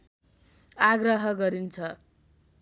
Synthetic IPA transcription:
aɡrʌɦʌɡʌɾint͡sʰʌ

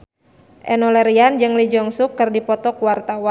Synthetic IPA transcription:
ʔɛnɔlɛɾiand͡ʒɨŋlid͡ʒɔŋsukːɨrdipɔt̪ɔkuwart̪awan

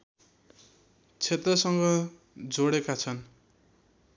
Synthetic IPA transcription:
t͡sʰet̪rʌsʌŋɡʌ | d͡zoɽekat͡sʰʌn

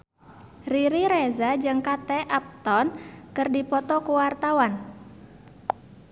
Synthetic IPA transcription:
riɾiɾezad͡ʒɨŋkat̪ɛʔap̚t̪ɔnkɨrdipɔt̪ɔkuwart̪awan

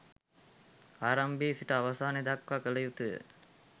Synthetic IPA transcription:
aːɾɐmbiːsiʈəaʋɐsaːned̪akʋakəlɐjut̪ɨə̰

